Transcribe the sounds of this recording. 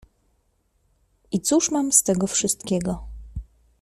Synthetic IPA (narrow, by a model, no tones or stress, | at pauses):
it̪suʂmamst̪ɛɡɔfʂɘst̪kʲeɡɔ